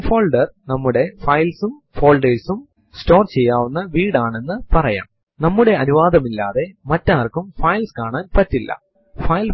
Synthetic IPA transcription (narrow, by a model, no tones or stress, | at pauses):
fo̞ːlɖɐrnɐmːuɽe̞fɐjlsumfo̞ːlɖejsum | sto̞ːrt͡ɕe̞jːaːʋunːɐʋiːɽaːɳe̞nːɨpɐrɐja̰ːm | nɐmːuɽe̞ɐnuʋaːd̪ɐmilːaːðe̞mɐtːaːrkumfɐjlskaːɳaːnpɐtːilːɐ̰ | fɐjl